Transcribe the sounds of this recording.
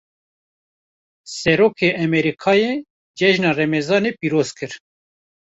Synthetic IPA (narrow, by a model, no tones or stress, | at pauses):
sɛɾoːkʰeːʔɛmɛɾikʰɑːjeː | d͡ʒɛʒnɑːrɛmɛzɑːneːpiːɾoːzkʰɨɾ